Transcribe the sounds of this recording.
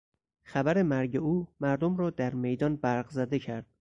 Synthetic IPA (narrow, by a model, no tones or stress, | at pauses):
xæbæɾemæɾɟe̞uːmæɾd̪omɾɒːd̪æɾme̞jd̪ɒːnbæɾɢzæd̪e̞cʰæɾd̪̥̚